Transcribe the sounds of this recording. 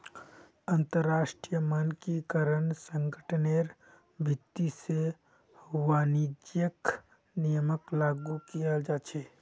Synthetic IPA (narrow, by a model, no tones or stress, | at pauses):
ənt̪əɾːaːʃʈɾijəmənkikəɾənsəŋɡəʈʰneɾ | bʱɪt̪ːise | ʋaːnid͡ʒjək | nijəməklaːɡukijad͡ʒat͡ʃʰe